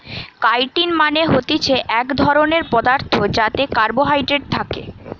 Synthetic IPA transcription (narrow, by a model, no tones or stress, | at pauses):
kajʈinmaneɦot̪it͡ɕʰeʔɛkd̪ʱɔɾoneɾpɔd̪aɾt̪ʰod͡ʑat̪ekaɾboɦajʈɾeɖ̚t̪ʰakḛ